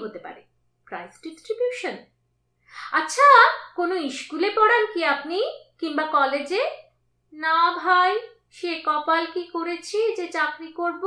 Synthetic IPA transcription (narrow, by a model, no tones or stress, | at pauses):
ɦot̪epa̰ɾe | pɾajsɖisʈɾibjuʃon | atːɕʰakonoiʃkulepɔɽankiapnikiŋbakɔled͡ʑe | nabʱaj | ʃekɔpalkikoɾet͡ɕʰed͡ʑet͡ɕakɾikoɾbo